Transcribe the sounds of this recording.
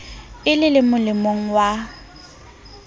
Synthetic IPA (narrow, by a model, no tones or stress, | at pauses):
ɪlɪlɪmʊlɪmoŋ̩wa